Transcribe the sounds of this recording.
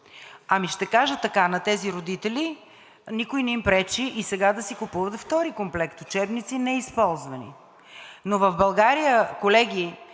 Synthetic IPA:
ɐmiʃt̪ɛkaʒət̪ɐkanɐt̪ɛziɾod̪it̪ɛli | nikojnɛimpɾɛt͡ʃiʔisɛɡad̪ɐsikʊpuvət̪ft̪ɔɾikomplɛkt̪ʊt͡ʃɛbnit̪sinɛispɔlˠzvɐnḭ | novɐvbɐlˠɡaɾijəkolɛɡi

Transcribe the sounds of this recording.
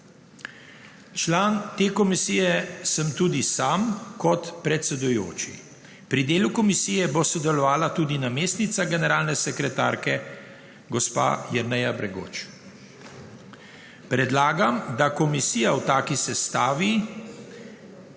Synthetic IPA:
t͡ʃlaːnt̪eːkɔmisijɛsəmt̪uːd̪isaːmkɔt̪pɾɛt̪sɛd̪ujo̰ːt͡ʃḭ | pɾid̪eːlukɔmisijɛbosɔd̪ɛlɔʋaːlat̪uːd̪inameːst̪nit̪saɡɛnɛɾaːlnɛsɛkɾɛt̪aːɾkɛ | ɡɔspa̰jɛɾnɛjabɾɛɡo̰ːt͡ʃ | pɾɛd̪laːɡamd̪akɔmisiːjawt̪aːkisɛst̪aːʋi

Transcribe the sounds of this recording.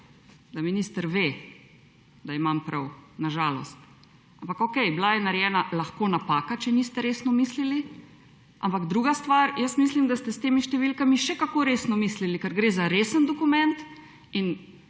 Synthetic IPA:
d̪aminiːst̪əɾʋe | d̪aimampɾawnaʒaːlɔ̰st̪̚ | ampakokɛjblajɛnaɾjɛːnalaxkoːnapaːkat͡ʃɛnist̪ɛɾeːsnɔmiːslili | ʔa̰mpaɡd̪ɾuːɡast̪ʋaɾjəsmis̬limd̪ast̪ɛst̪eːmiʃt̪ɛʋilkamiʃɛkakoɾeːsnɔmislilikɛɾɡɾeːzaɾesənd̪ɔkumɛnt̪ | in

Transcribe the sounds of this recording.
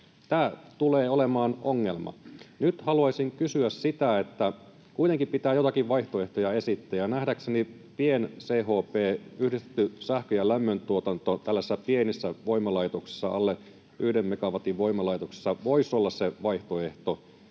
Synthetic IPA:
t̪æːt̪uleːolemɑːnoŋːelmɑ̰nyt̪hɑluɑsiŋkysyæssit̪æet̪ːæ | kuijt̪eŋkimpit̪æːjot̪ɑkiʋʋɑiht̪oe̞ht̪ojɑe̞sit̪ːæːjɑnæhdækseni | pienseːɦoːpeːyhdist̪e̥t̪ːysæhkøjælæmːønt̪uot̪ɑnt̪ot̪ælːæsesːæpienisːæʋo̞imːɑlɑjt̪oksi̥sːɑ̰ɑlːe | ʔyhdemːekɑʋɑt̪iʋʋo̞imːɑlɑjt̪oksi̥sːɑʋoisolːɑsseʋɑiht̪oe̞ht̪o

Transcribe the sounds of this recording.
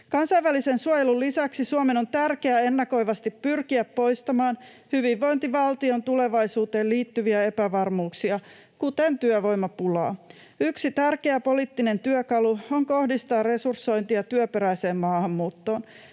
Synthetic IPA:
kɑnsɑjʋælisensuojelullisæksisuomeno̞nt̪ærkeæenːɑko̞jʋɑst̪ippyrkiæpːo̞jst̪ɑmɑːn | hyʋiʋːo̞jnt̪iʋɑlt̪io̞nt̪ule̞ʋɑjsuːt̪e̞ːliːt̪ːyʋiæe̞pæʋɑrmuːksiɑ | kut̪ent̪yœʋo̞jmːɑpulɑ̰ː | yksit̪ærke̞æpo̞liːt̪ːine̞nt̪yœkɑluoŋko̞hdist̪ɑːrre̞sursːo̞int̪iɑt̪yøpeɾæjse̞ːmmɑːhɑmːuːt̪ːo̞ːn

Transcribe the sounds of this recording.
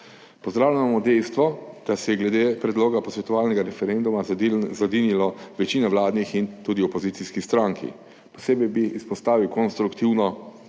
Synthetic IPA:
pɔzd̪ɾaːwlʲaamɔd̪ɛjst̪ʋɔd̪̥asɛjɛɡlɛd̪eːpɾɛd̪loːɡapɔsʋɛt̪ɔʋaːlnɛɡaɾɛfɛɾend̪umazad̪inilɔʋɛt͡ʃiːnɛʋlaːd̪nixint̪uːd̪iɔpɔzit̪siskist̪ɾaːŋkʰḭ | pɔ̥seːbɛjbiʔːspɔst̪aːʋiwkɔnst̪ɾukt̪iwnɔ

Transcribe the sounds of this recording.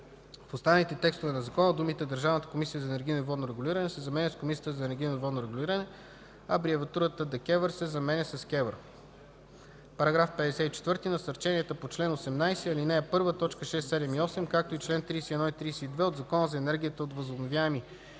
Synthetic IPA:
fost̪annit̪ɛt̪ɛkst̪ovɛnɐzɐkɔnəd̪umit̪ɛd̪əɾʒavnət̪ə̥komisijəzɐɛnɛɾɡʲijnoivɔd̪noɾɛɡʊlʲiɾənɛsɛzɐmɛnʲɛskomisijət̪əzɐɛnɛɾɡ̟ʲijnovɔd̪noɾɛɡulʲiɾənɛ | ɐbɾiɛvɐt̪uɾət̪əd̪ɐkʲɛvəɾsɛzɐmɛnʲɛsɐskʲɛvəɾ | pɐɾɐɡɾafpɛd̪ɛsɛit͡ʃɛ̥t̪vɤɾt̪inɐsɐɾt͡ʃɛniɛt̪əpot͡ʃlɛnosɛmnajsɛɐlinɛːpɤɾvət̪ɔt͡ʃkəʃɛsːɛd̪ɛmiɔsɛmkak̚t̪oit͡ʃlɛnt̪ɾiːsɛiːɛnɔit̪ɾiːsɛid̪vɛod̪zɐkɔnəzɐɛnɛɾɡʲiət̪əot̪vəzobnovʲjaɛmi

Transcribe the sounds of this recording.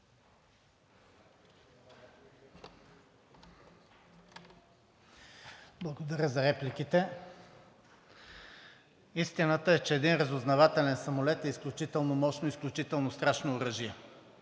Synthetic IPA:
blˠəɡod̪ɐɾʲjəzɐɾɛplik̟it̪ɛ | ist̪inət̪əɛt͡ʃɛːd̪inɾəzʊznɐvat̪ɛlɛnsɐmolɛt̪ɛisklʲut͡ʃit̪ɛlˠnomɔʃnoisklʲut͡ʃit̪ɛlˠnost̪ɾaʃnoːɾəʒiɛ

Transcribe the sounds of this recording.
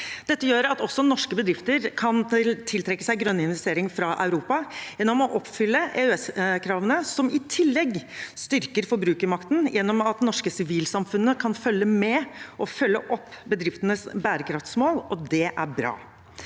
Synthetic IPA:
d̪̥ɛt̪ːəjøːɾɑt̪ɔsːɔnɔʂkəbəd̪ɾɪft̪əɾkʰɑnt̪ʰɪlt̪ʰɾɛkːə̥sæɪɡɾœnːɪnʋɛst̪eːɾɪŋfɾɑʔɑʉɾuːpɑjɛnːɔmɔʔɔpːfʏlːəʔɛʉɛskʰɾɑːʋənəsɔmɪt̪ʰɪlːɛɡst̪ʏɾkəɾfɔɾbɾʉːkəɾmɑkt̪n̩jɛnːɔmɑt̪nɔʂkəsɪʋiːlsɑmfʉnːəkʰɑnfœlːəmɛʔɔfœlːəʔɔpːbəd̪ɾɪft̪ənəsbæːɾəkʰɾɑft̪smoːlɔd̪ɛʔæɾbɾɑ̰ː

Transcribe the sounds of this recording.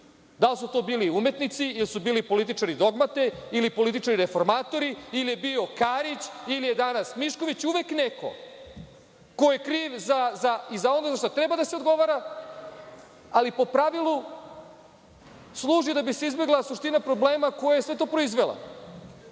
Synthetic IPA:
d̪alsut̪o̞ːbiːliumet̪nit̪siilisubiːlipo̞lit̪̬it͡ʂaɾid̪o̞ɡmat̪e̞ilipo̞lit̪it͡ʃaɾiɾefo̞ɾmaːt̪o̞ɾiilije̞bio̞kaɾit͡ɕilije̞d̪anasmiʃko̞ʋit͡ɕuʋe̞kneko̞̰ | ko̞jekɾiːʋzazaizao̞nozaʃt̪ot̪ɾebad̪aseod̪ɡo̞ʋaɾa | alipo̞pɾaʋilˠu | slˠuːʒid̪abise̞izbe̞ɡlˠasuʃt̪inapɾo̞bleːmako̞jajesʋe̞t̪o̞ːpɾo̞izʋe̞lˠa̰

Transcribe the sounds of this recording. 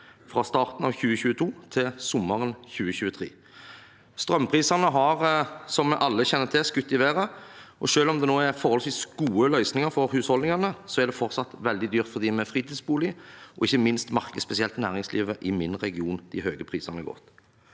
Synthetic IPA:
fʁɑst̪ɑːʁt̪n̩ɑʋçʉːəçʉːət̪ʰuːt̪ʰɪsʊmːəʁənçʉːəçʉːət̪ʰʁḛː | st̪ʁœmpʰʁiːsɑnəɦɑʁsɔmːɛɪʔɑlːəçɛnːət̪ʰɪskʉt̪ːɪʋeːʁəʔɔʂøːlɔmd̪ɛnoːæɾfɔʁhɔlsʋiːsɡ̥uːəlœʏsnɪŋəfɔɾhʉːshɔlɪŋɑnəsɔæd̪ɛfɔɾt̪sɑt̪ʋɛld̪ɪd̪yːʁt̪fɔʁd̪iːmɛfʁiːt̪iːd̪sbuːlɪɔɪçːəmɪnst̪mɑʁkəspɛsɪɛlt̪næːʁɪŋsliːʋəʔɪmɪnʁɛɡɪuːnd̪̥ɪhøːɡəpʰʁiːsɑnəɡɔ̰t̪

